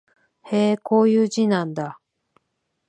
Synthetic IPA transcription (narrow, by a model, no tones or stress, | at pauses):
heːko̞ːjɯːʑinãnd̪a